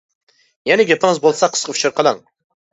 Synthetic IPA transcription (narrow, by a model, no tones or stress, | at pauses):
jɛnɪɡʲepɪŋəzbolˠsɑqʰə̥sqʰəfu̥ʃʰɨɾqʰəlˠɑŋ